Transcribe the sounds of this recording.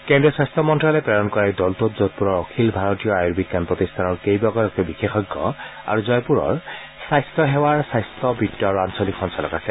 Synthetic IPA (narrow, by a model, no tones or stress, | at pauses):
kɛndɹiɔsajstʰɔmɔntɹalɛpɹaɹɔnkɔɹadɔltotzot̚puɹɔɹɔkʰilbʱaɹɔtijɔajuɹbiɡanpɹɔt̪istʰanɔɹkejbɔɡɔlɔkɔbixexɔɡːɔ̰a̰ɹuzɔjpuɹɔ̰ɹ | sajstʰɔɦɛwaɹsajstɔbitːɔaɹuansɔlikʰɔnsalɔ̰ɡasɛ